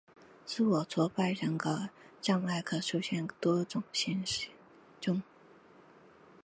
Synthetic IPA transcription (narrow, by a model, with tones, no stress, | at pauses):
t͡sɹ̩˥˩wɔ˨˩t͡sʰwɔ˥pa˥˩ɪɻə˧˥ŋɡə˧˥ʈ͡ʂɑ˥˧ŋwa˥˩ɪkʰɤ˨˩ʂu˥ɕjɛ˥˩nt̪wɔ˥ʈ͡ʂʊ˨˩ŋɕi˥n˥ | ʈ͡ʂʊ˥˩ŋ